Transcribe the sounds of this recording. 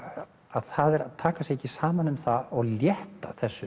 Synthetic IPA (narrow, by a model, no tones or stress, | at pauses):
aðθaðɛɾaðt̪ʰaːkasɛcːɪsaːmanʏmθaɔɣljɛht̪a̰θɛsːʏ